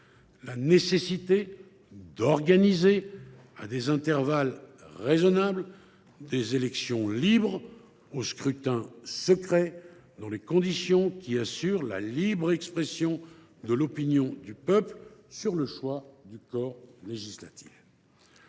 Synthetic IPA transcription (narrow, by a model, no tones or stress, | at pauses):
lanesesit̪e | d̪ɔʁɡanize | a̰d̪ezɛ̃t̪ɛʁvalʁezɔnabl | d̪ezelɛksjɔ̃libʁ | oskχyt̪ɛ̃səkχɛd̪ɑ̃lekɔ̃d̪isjɔ̃kʲiasyʁla̰libʁɛkspχɛsjɔ̃ | d̪əlɔpinjɔ̃d̪ypœplsyʁləʃwad̪ykɔʁleʒisla̰t̪i̥f